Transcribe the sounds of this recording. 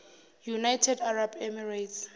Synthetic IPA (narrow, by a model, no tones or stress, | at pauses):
junajtʰɛdarabɛmɛɹajts